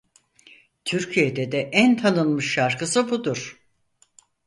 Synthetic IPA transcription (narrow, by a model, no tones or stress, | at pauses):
t̪ʰyɾcʰijed̪ɛd̪ɛʔænt̪ʰanɯnmɯʃːaɾkʰɯsɯbud̪uɾ̥